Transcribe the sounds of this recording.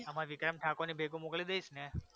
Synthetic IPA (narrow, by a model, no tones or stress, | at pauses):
əmãʋɪkɾəmʈʰakonibʱeɡũmoklid̪eisne